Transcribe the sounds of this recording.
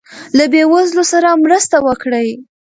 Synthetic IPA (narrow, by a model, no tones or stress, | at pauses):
labewazlosaɾamɾəst̪awəkɽəj